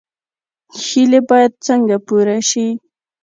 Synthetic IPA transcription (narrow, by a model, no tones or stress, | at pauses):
xilebɑjad̪̚t͡səŋɡapuɾaʃi